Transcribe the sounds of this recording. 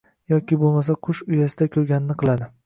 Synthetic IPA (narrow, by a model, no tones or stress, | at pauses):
jɒkʲɪbolˠmasaqʰʊʃʊjasɪd̪akʲʰɵɾɡʲanɪnɪqʰɨlˠad̪ɪ